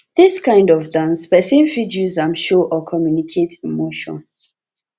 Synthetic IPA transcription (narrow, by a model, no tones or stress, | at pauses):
ðiskãɪ̃ndɔvdãnsbəsẽnfidjuãmʃoʔɔkʰɔmjunikʰetʰimoʃɔ̰̃n